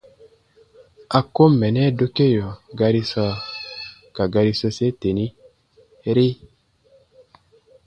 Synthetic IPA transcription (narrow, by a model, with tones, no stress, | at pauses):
a˨kːo˦mːɛ˨nɛ˦do˦ke˦jɔ˨ɡa˦ɾi˦sɔ˦ | ka˨ɡa˨ɾi˦sɔ˦se˦te˨ni˦ | ɾi˦